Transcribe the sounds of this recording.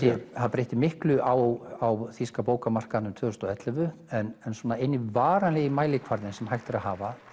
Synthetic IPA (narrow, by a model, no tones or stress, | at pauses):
jɛhaðpɾejht̪ɪmɪhklʏʔawawθiskapoːwkamar̥kanʏmt̪ʰvœðʏst̪ɔɛt̪lɛvʏɛnɛnswɔːnaejnːɪvaːɾanlɪɣimaːjlɪkʰvaɾðɪnsɛmhajht̪ɪɾaðhaːva